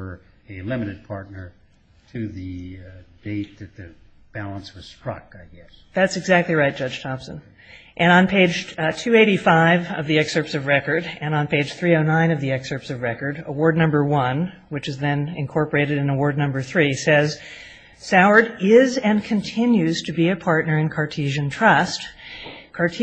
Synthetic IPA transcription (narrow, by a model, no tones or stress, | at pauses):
ə˞ | ɨlɪ̃mɨɾɨd̚pʰɑɹtⁿnə˞ | ɾɨðɨd̥eɪt̪̚ðɨt̪̚ðɨ | b̥ælˠə̃nswʌz̥stɹ̥ʌ̰kaɪɡɛs | ðætsɨɡzæk̚tˡliɹaɪt̚d̥ʒ̥ʌd̥ʒ̥tʰɑpsɨ̃n | ʔɨ̃ñə̃npʰeɪd͡ʒtʰʉeɪɾifaɪvʌvðiɛksɜ˞psʌvɹɛkə˞ɾɨ̃nə̃n̩pʰeɪ̥ʒ̥θɹioʊnãɪ̃nʌvðiɛksə˞psʌvɹɛkə˞ɾəwɔɹdⁿnʌ̃mbə˞wʌ̃n | wɨt͡ʃɨzðɨ̃nɨ̰̃nkʰɔɹpə˞eɪɾɨɾɨ̃nəwɔɹdⁿnʌ̃mbə˞θɹisɛz̥ | saʊə˞ɾɪzɨ̃nkʰɨ̃ntʰɪ̃njʉz̥tʰɨbiɨpʰɑɹtⁿnə˞ɨ̃nkʰɑɹtʰiʒɨ̃ntʰɹ̥ʌstkʰɑ˞tʰ